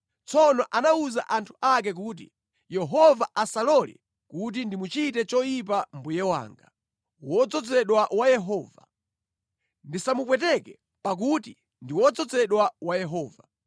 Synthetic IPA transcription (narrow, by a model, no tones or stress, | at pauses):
t͡sɔnɔʔanauza̰ʔantʰu̥ak̬ɛk̬uːt̬ḭ | jɛɦɔvaʔasalɔlḭ | kut̬indimut͡ʃitɛt͡ʃɔjip̬ambujɛwa̰ːŋɡa | wɔd͡zɔd͡zɛɗwawajɛɦɔːva̰ | ndisamupwɛtɛkɛ | pak̬uti | ndiwɔd͡zɔd͡zɛɗwawajɛɦɔːva